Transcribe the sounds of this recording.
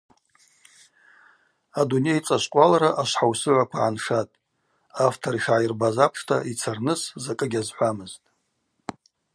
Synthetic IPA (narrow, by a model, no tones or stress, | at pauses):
adune̞jt͡sʼaʃʷqʷʼalaɾaʔaʃʷħawsɨʕʷakʷʰaʕanʂatʼ | aftʰoɾiʃʕajirbazapʰʂtʰait͡sʰarnɨszakʼɨɡʲazħʷamɨztʼ